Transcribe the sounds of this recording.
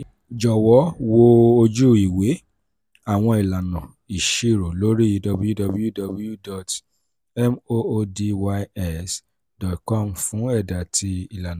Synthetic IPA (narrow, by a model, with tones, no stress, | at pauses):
d͡ʒɔ˨wɔ˨˦wo˧o˧d͡ʒu˦˨i˨we˨˦ | a˦˨w̃ɔ̃˧i˨la˨nã˨ | i˨ʃe˦˨ɾo˨lo˨˦ɾi˦i˧dɔ˧bu˦ju˦dɔ˧bu˦ju˦do˧bu˦ju˦˨dɔ˨t | ɛ˦mo˦o˧de˧wa˧ɛ˦s | dɔ˨tkɔ˦˨m̩˨fũ˨˦ɛ˦˨da˨ti˧i˨la˨ñ˨